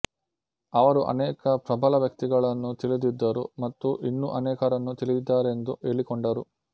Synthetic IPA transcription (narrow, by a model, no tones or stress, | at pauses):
ɐʋɐɾuʔɐ̰nɛːkɐpɾɐbʱɐlɐʋjɐk̚t̪iɡɐɭɐnːut̪ilid̪id̪ːɐɾṵmɐt̪ːuʔinːuʔɐnɛːkɐɾɐnːut̪ilijid̪ːaːɾend̪uʔe̞ːɭikoɳɖɐɾu